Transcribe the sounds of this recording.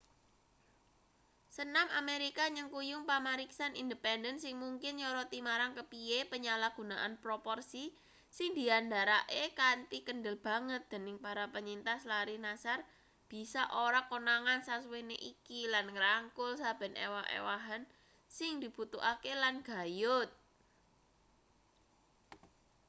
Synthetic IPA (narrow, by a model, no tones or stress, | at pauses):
sənamʔameɾikaɲəŋkujʊŋpamaɾiksanʔind̪əpɛndənsɪŋmuŋkɪnɲɔɾɔt̪imaɾaŋkəpiepəɲalaɡ̥ṳnaʔanpɾopɔrsi | sɪŋd̪̥i̤andaɾaʔekant̪ikənɖəlb̥a̤ŋət̪̚d̪̥e̤nɪŋpaɾapəɲint̪aslaɾihnasar | b̥i̤saʔoɾakonaŋansasweneʔikilanŋɾaŋkʊlsab̥ɛ̤nḛwaɦḛwaɦan | sɪŋd̪̥i̤b̥ut̪uʔakelanɡ̥a̤jʊt̪̚